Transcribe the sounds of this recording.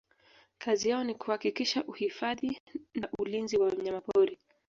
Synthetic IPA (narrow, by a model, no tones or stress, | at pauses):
kʰazijaɔnikuhakikiʃaʔuhifaðinaʔulinziwamɲamapɔɾi